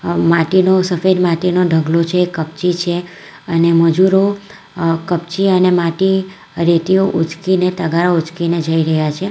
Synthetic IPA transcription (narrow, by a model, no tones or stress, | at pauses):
maʈinosəfed̪maʈinoɖʱəɡlot͡ʃʰeːkəp̚t͡ʃit͡ʃʰe | əneməd͡ʒuɾo | kəp̚t͡ʃiənemaʈi | ɾet̪ioʔut͡ʃkinet̪əɡaɾaut͡ʃkined͡ʒəiɾəɦjat͡ʃʰe